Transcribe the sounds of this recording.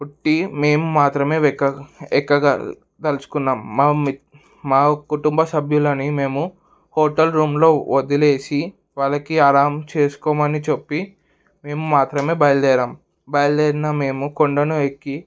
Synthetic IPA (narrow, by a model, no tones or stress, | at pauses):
uʈːime̞ːmumaːt̪ɾɐme̞ːkːɐɛkːɐɡa̰ | t̪elusu̥kunːaːmːa | maːkuʈumbɐsɐbʱjulɐnime̞ːmu | hoːʈɐlɾuːmlo̞ːod̪ileːsi | ʋaːɭɐkiaːɾaːmt͡ʃe̞ːsu̥kɔːmɐnit͡ʃepːi | me̞ːmumaːt̪ɾɐme̞ːbɐjɐld̪ɛːɾaːm | bɐjɐld̪ɛːɾiname̞ːmukoɳɖɐnuekːi